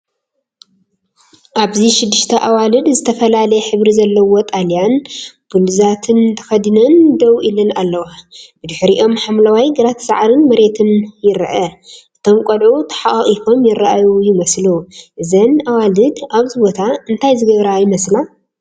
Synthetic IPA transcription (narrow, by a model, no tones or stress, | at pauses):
ʔaβziʃɪd̪ːɨʃt̪ʰɐʔawalɨd̪zɨt̪ʰɐfɐlalɐjɛħɨβɾizɐlːɐwo̞t̪ʼaljanb̥ulzat̪ʰɨnt̪ʰɐ̥xɐd̪ɨnɐnd̪ɐwʔilɐnalːɐwab̥ɨd̪ɨħɾiʔo̞mħamlawajɡɨɾat̪ʰɐ̥sa̰ʕɾɨnmɐɾe̞t̪ʰɨnjɪɾʔɐʔɨt̪ʰo̞mkʼɐlʕut̪ʰɐ̥ħaʔɣʼifo̞mjɪɾaʔajujɪmɐsluʔɨzɐnawalɨd̪aβzɨbo̞t̪ʰaɨnt̪ʰajzɨɡɐβɾajɪmɐsla